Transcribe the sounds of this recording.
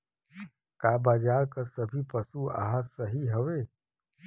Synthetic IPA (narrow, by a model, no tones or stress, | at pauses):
kaːbaːd͡ʒaːɾkəsəbʱipəsua̰ːɦəsəɦiɦəʋe